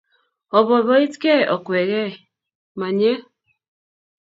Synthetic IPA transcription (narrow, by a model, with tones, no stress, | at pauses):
ɔ˨βɔ˨βɔ˨˦i˦tkɛ˦˨ʔɔ˨kwɛ˨ɣɛ˦˨ | ma˨ɲɛ˦